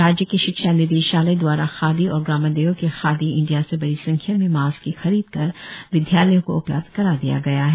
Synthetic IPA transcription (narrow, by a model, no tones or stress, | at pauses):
ɾaːd͡ʒjəkeʃɪkʃanɪd̪eːʃaːled̪waːɾaxaːd̪iɔːɾɡɾaːmad̪eːokexaːd̪iɪ̃ɳɖijasebɐɽisɐ̃ŋkʰjamẽmaːzkixɐɾiːd̪kɐɾʋɪd̪ʱjaːləjõkoʊplə̰b̚d̪̥ʱkɐɾaːd̪ija̰ɡɐjaɦɛː